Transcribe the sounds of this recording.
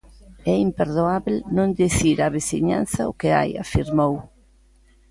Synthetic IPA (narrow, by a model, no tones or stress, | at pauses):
ɛimpeɾðoaβlnõnd̪iθiɾaβesiɲa̰n̟θaʊkea̰ja̰fiɾmow